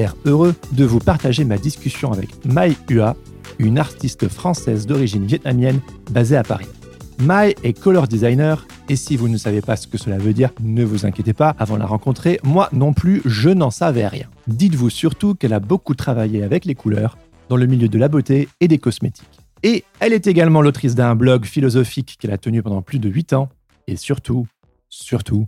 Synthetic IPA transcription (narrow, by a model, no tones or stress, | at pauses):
ɛʁøʁød̪əvupaʁt̪aʒemad̪iskʲysjɔ̃avɛ̰kmajya | ynaʁt̪ist̪fχɑ̃sɛzd̪ɔʁiʒinvjɛt̪̚namjɛnbazeapa̰ʁi | majɛkɔlɔʁd̪izajnœʁ | esivunəsavepasə̥kəsəlavød̪iːʁnəvuzɛ̃kʲjet̪epaːvɑ̃d̪əla̰ʁɑ̃kɔ̃t̪χemwanɔ̃plyʒənɑ̃savɛʁjɛ̰̃d̪it̪vusyʁt̪ukɛlabokut̪χavajeavɛklekulœʁ | d̪ɑ̃ləmiljød̪əlabot̪eːd̪ekɔsmet̪ʰi̥k | eɛlɛt̪eɡalmɑ̃lot̪χis̬d̪ɛ̃blɔɡfilɔzɔfikːɛla̰t̪ənypɑ̃d̪ɑ̃plyd̪əɥit̪ɑ̃ | esyʁt̪u | syʁt̪ʰu